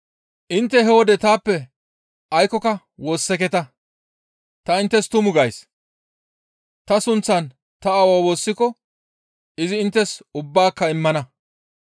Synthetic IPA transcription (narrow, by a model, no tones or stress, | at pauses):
ʔɪnt̪ːɛɦɛwɔd̪ɛt̪aːpːɛ | ɐjkɔkɐ | wo̞ːsːɛkɛt̪ɐ | t̪ɐɪnt̪ːɛst̪ʊmʊɡɐjs | t̪ɐsʊnt͡sːɐn | t̪ɐɐwawo̞ːsːɪkɔ | ɪzɪːnt̪ːɛsʊbːaːkːɐɪmːɐnɐ